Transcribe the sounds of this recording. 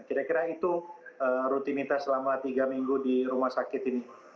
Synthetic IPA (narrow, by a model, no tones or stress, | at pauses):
kiɾakiɾait̪uəɾut̪init̪aslamat̪iɡamiŋɡudiɾumahsakɪt̪ini